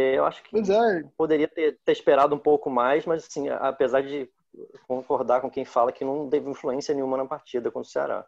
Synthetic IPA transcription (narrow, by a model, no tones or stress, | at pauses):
ɛewʔa̰ʃʊ̥kɪojzɛpod̪eɾiɐt̪eɾt̪eɾiʃpeɾad̪ʊũpowkʊmajzmɐzasḭ̃ʔa̰pezaɾd͡ʒɪ | kõkoɾd̪akõkẽj̃falɐkɪnɐ̃w̃t̪evɪĩfluẽsiɐnẽɲũmɐnɐpaɾt͡ʃid̪ɐkwɐ̃ʊsea̰ɾa̰